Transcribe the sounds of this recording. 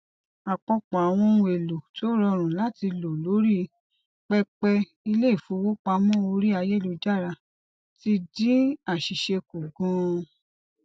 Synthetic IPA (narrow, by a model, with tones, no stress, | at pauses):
a˨k͡pɔ˧k͡pɔ̃˨a˨w̃ɔ̃˧nũ˧˦e˨lo˨to˨˦ɾɔ˧ɾ̃ũ˨la˦ti˧lo˨lo˨˦ɾi˦ | k͡pɛ˧k͡pɛ˧ | i˧le˦˨fũ˨˦wo˦k͡pa˧mɔ̃˦o˧ɾi˦a˧je˦˨lo˨˧d͡ʒa˦˨ɾa˧˨ | ti˧dĩ˦a˦˨ʃi˨ʃe˧ku˨ɡũ˧